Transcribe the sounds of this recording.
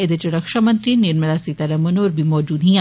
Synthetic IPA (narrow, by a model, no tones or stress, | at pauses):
ɪd̪ɪt͡ʃɾɐkʃamɐ̃ntt̪ɾiniɾmɪlasit̪ɐɾɐmɐnoːɾbʱimɔːd͡ʒuːd̪ɦĩ